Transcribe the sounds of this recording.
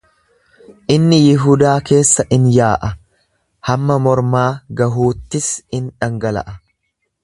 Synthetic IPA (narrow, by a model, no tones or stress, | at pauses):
ʔɪnːɪjɪɦʊd̪aːke̞ːsːɐʔɪnjaːʔɐ | hɐmːɐmɔɾmaːɡɐɦuːt̪ːɪsɪnᶑɐŋɡɐlɐ̰ʔɐ